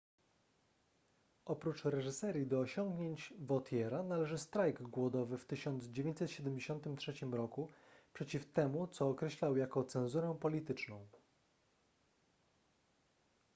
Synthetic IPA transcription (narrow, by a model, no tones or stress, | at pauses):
ʔɔpɾut͡ʂɾɛʐɘsɛɾʲid̪ɔːɕɔŋɡɲeɲt͡ɕvɔt̪ʰjɛɾanalɛʐɘst̪ɾajɡɡwɔd̪ɔvɘft̪ɘɕɔnd̪zd͡ʑevʲẽɲt͡ɕ̪ʲsɛt̪ɕɛd̪ɛmd͡ʑeɕɔnt̪ɘmtʂɛt͡ɕimɾɔkupʂɛt͡ɕift̪ɛmut̪sɔːkɾɛɕlawjakɔt̪sɛ̃ñzuɾɛpɔlʲit̪ɘt͡ʂnɔ̃w̃